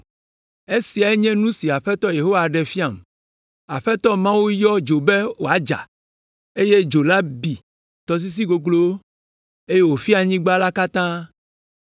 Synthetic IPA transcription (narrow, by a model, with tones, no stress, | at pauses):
e˦si˨a˨e˦ɲɛ̃˦nũ˦si˨a˨ɸɛ˦t̪ɔ˦je˨ɦo˦wa˨ɖɛ˨fi˦a˨m | a˨ɸɛ˦t̪ɔ˦mã˦wu˦jɔ˦d͡ʒo˨be˦wo˨a˦d͡ʒa̰˨ | e˦je˦d͡ʒo˨la˦bi˨ | t̪ɔ˨s̬i˦s̬i˦ɡo˨ɡlo˦wo˦ | e˦je˦wo˨fi˦a˨ɲĩ˦ɡ͡ba˦la˦ka˦t̪ã˦